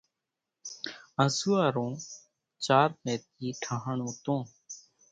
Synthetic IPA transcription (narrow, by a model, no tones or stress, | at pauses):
ə̃suaːɾõː | t͡ʃaːɾmẽːt̪̚iːʈʰaɦəɳõːt̪õː